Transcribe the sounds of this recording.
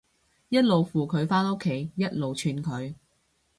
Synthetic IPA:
jɐ˥t̚lo˨wfuː˨˩kʰɵ˨˧ɥfaː˥no˥kʰːe˨˥˧jjɐ˥t̚lo˨wt͡ʃʰyː˧nkʰɵ˨˧ɥ

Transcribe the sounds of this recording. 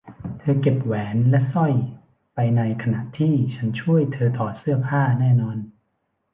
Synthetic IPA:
t̪ʰɤː˧ke˨˩p̚wɛː˩˦nlɛ˦˥sɔ˥˩j | pa˧jna˧jkʰa˧na˨˩ʔt̪ʰiː˥˩t͡ɕʰa˦˥nt͡ɕʰu˥˩əjt̪ʰɤː˧t̪ʰɔː˨˩t̪̚sɯ˥˩ɐpʰaː˥˩nɛː˥˩nɔː˧n

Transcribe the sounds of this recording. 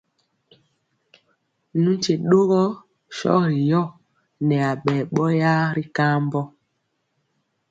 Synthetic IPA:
nũ˦t͡ʃe˨ɗo˦ɣɔ˦ | ʃɔ̰˦ɾi˨jɔ˦˨ | nɛ˨a˨ɓɛː˨ɓɔ˦ja˦ɾi˦ka˦mbɔ˦

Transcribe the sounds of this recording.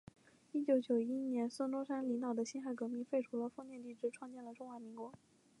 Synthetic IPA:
i˥t͡ɕjo˧˥ʊt͡ɕjo˨˩ʊi˥njɛ˧˥nswə˥nt̪wɔ˥ʂa˥nli˧˥ŋt̪ɑ˨˩ʊd̪ə˦ɕi˥nxa˥˩ɪkɤ˧˥mi˥˧fe˥˩ɪʈ͡ʂʰu˧˥lə˧fɤ˥˧ŋt̪jɛ˥˧nt̪i˥˩ʈ͡ʂɻ̩˥ʈ͡ʂʰwɑ˥˧ŋt͡ɕjɛ˥˩nlə˩ʈ͡ʂʊ˥˧ŋxwa˧˥mi˧˥ŋkwɔ˧˥

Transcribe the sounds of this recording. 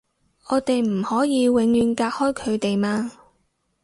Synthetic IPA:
ʔɔː˨˧t̪e˨jm̩˨˩hɔː˨˥jiː˨˧wɪ˨˧ŋjyː˨˧nkaː˧k̚hɔː˥jkʰɵ˨˧ɥt̪e˨jmaː˧

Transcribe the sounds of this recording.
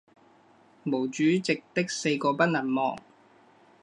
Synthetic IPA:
mo˨˩wt͡ʃyː˨˥˦t͡sɪ˨k̚t̪ɪ˥k̚se˧jkɔː˧pɐ˥t̚lɐ˨˩nmɔː˨ŋ

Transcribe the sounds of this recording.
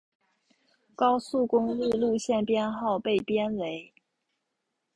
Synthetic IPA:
kɑ˥ʊsu˥˩kʊ˥ŋ̩˥˧lu˥˧ɕjɛ˥˩npjɛ˥nxɑ˥˧ʊpe˥˩ɪpjɛ˥nwe˧˥ɪ

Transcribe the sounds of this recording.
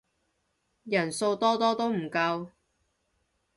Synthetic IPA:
jɐ˨˩nso˧wt̪ɔː˥t̪ɔː˥t̪o˥wm̩˨˩kɐ˧w

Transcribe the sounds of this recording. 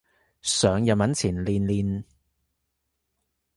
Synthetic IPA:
sœː˨˧ŋjɐ˨˩mɐ˨˥nt͡sʰiː˨˩nliː˨nliː˨n

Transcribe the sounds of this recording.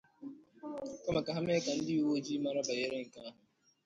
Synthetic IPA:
kɐ˦ma˨kaɦɐ˦mẽː˦kã˨nd̪iː˦u˦o˦d͡ʒiː˦maː˦ɾaːbə˨jeː˦ɾeĩːkãː˨

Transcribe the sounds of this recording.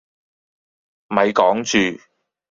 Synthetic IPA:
mɐ˨˧jkɔː˨˥ŋt͡ʃyː˨˧

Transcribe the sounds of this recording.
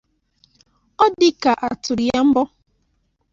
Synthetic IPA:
ɔ˦dɪ˦ka˨ʔa˨tʊ˨ɾja˦m̩˦bɔ˦

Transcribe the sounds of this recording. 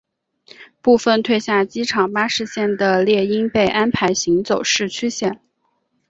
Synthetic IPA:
pu˥˧fə˥˧nt̪ʰwe˥˧ɪɕja˥˩t͡ɕi˥ʈ͡ʂʰɑ˨˩ŋpa˥ʂɻ̩˥˧ɕjɛ˥˩nd̪ə˩ljɛ˥˩i˥npe˥˩ɪʔa˥npʰa˧˥ɪɕi˧˥ŋt͡so˨˩ʊʂɻ̩˥˩t͡ɕʰy˥ɕjɛ˥˩n

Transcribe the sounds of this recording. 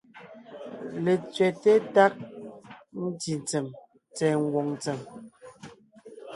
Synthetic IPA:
le˨t͡sɥɛ˨tɛ˦ta˦k̚ | n̩˦ti˨n˨t͡se˨m | t͡sɛ˨ŋ̩˦ɡwɔ˨ŋn˨t͡sɛ˨m

